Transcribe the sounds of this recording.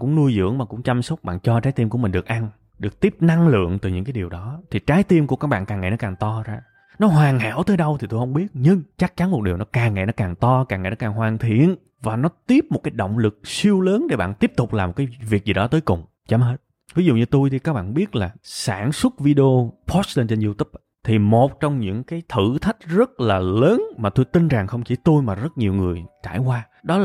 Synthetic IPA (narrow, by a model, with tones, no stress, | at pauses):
kʊ̰˧˥ŋ͡mnu˧əjzɨ̰˧˥əŋɓa̰ː˨˩ŋkʊ̰˧˥ŋ͡mt͡ɕa˧msə˦˥k͡p̚ɓa̰ː˧˨nt͡ɕɔ˧t͡ɕaː˨˦jt̪i˧mku˧˩əmï̟˨˩ɗɨ˨˩ək̚ʔa˧n | ɗɨ˨˩ək̚t̪i˦˥əp̚na˧ŋlɨ̰˧˨əŋt̪ɨ˨˩ɲɨ̰˧˥ŋkaː˨˦ɗi˨˩əwɗɔ˨˦t̪ʰi˨˩t͡ɕaː˨˦jt̪i˧mku˧˩ka˦˥k̚ɓa̰ː˧˨nkaː˨˩ŋa̰˧˨nɔ˨˦kaː˨˩ŋt̪ɔ˧zaː˧ | nɔ˨˦ɦwaː˨˩ŋha̰ː˧˥˩wt̪əː˨˦jɗə˧wt̪ʰi˨˩t̪o˧hə˧wŋ͡mɓi˦˥ət̚ɲɨ˧ŋt͡ɕa˦˥k̚t͡ɕa˨˦nmo˨˩t̚ɗi˨˩əwnɔ˨˦kaː˨˩ŋːa̰˧˨nɔ˨˦kaː˨˩ŋt̪ɔ˧kaː˨˩ŋa̰˨˧˩jnɔ˨˦kaː˨˩ŋhwaː˨˩nt̪ʰḭ˧˨ən | vaː˨˩nɔ˨˦t̪i˦˥əp̚m˨˩t̚kaː˨˦jɗo̰˧˨wŋ͡mlɨ˨˩k̚si˧əwləː˨˦nɗe˧˦ɓa̰ː˧˨nt̪i˦˥əp̚t̪ʊ˨˩k͡p̚laː˨˩mo˨˩t̚kaː˨˦jvi˨˩ək̚zi˨˩ɗɔ˨˦t̪əː˨˦jkʊ˨˩ŋ͡m | t͡ɕa˨˦mɦe˦˥t̚ | vi˨˦zṵ˧˨ɲɨ˧t̪u˧jt̪ʰi˨˩kaː˦˥k̚ɓa̰ː˧nɓi˦˥ət̚laː˨˩saː˧˩nswə˦˥t̚vi˧ɗe˧o˧pʰɔ˦˥sle˧nt͡ɕe˧nzu˧t̪ʰu˦˥p̚ | t̪ʰi˨˩mo˨˩t̚t͡ɕɔ˧wŋ͡mɲɨ̰˧˥ŋkaː˨˦jt̪ʰɨ̰˧˩t̪ʰi˦˥k̟̚zə˦˥t̚laː˨˩ləː˨˦nmaː˨˩t̪u˧jt̪i˧nza˨˩ŋxə˧wŋ͡mt͡ɕi˧˩t̪u˧jmaː˨˩zə˦˥t̚ɲi˨˩əwŋɨ˨˩əjt͡ɕa̰ː˧˩jkwaː˧ | ɗɔ˨˦˨